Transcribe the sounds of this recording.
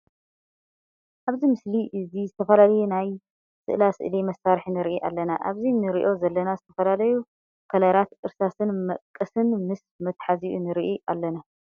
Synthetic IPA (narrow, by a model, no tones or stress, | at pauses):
ʔaβzimɨsliʔɨzizɨt̪ʰɐfɐlalɐjunaj | sɨ̰ʔɨlasɨ̰ʔlimɐsːaɾħinɨɾʔiʔa̰lːɐnaʔa̰βzinɨɾiʔo̞zɐlːɐnazɨt̪ʰɐfɐlalɐju | kʰɐlaɾat̪ɨɾsasɨnmɐʔkʼːɐsɨnmɨs | mɐt̪ħaziʔunɨɾiʔiʔalːɐna